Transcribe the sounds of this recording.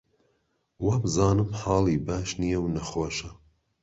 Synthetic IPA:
wabzɑːnɨmħɑːlˠiːbaːʃnijɛwnɐxoːʃɐ

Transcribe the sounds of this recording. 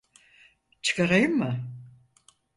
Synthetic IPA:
t͡ʃʰɨ̥kaɾajɯmːɯ

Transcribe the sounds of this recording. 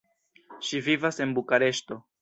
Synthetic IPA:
ʃivivase̞nbukaɾe̞ʃto̞

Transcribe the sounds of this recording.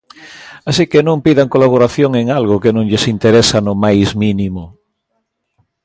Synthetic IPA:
asikenõmpiðaŋkolaβ̞oɾaθjoŋeŋalɣokenõŋʎesint̪eɾesanomajzminimo

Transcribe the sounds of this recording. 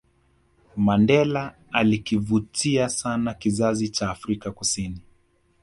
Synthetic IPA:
mandɛla | alikivutiasanakizazit͡ʃaːfɾikakusini

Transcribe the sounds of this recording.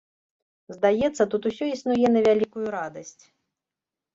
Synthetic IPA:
zd̪ajɛt̪sːɐt̪ut̪usʲɔisnujɛnɐvʲalʲikujuɾad̪ɐsʲt͡sʲ

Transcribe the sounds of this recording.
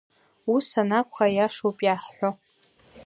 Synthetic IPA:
usanakʷʰajaʂowpʼjaħħʷo

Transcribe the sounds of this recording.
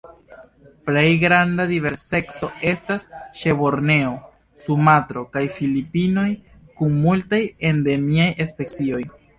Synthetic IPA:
ple̞jɡɾandadive̞ɾse̞kso̞e̞stasʃe̞bo̞ɾne̞o | sumatɾo̞kajfilipino̞j | kunmultaje̞nde̞miajʔespe̞t͡sio̞j

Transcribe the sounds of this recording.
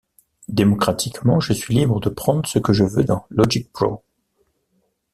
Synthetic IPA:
d̪emɔkχat̪ʰikmɑ̃ʒəsɥilibʁəd̪əpχɑ̃d̪ʁəsəkəʒəvød̪ɑ̃lɔʒik̚pʁo̰

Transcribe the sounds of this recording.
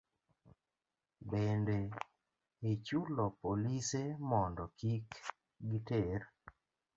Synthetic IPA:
bende | et͡ʃulɔpolisemɔndɔkik | ɡiter

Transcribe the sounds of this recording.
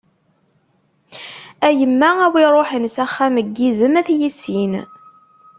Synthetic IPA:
æjəmːææwiɾˤoħənsæχːæməɡːizəmæθjisin

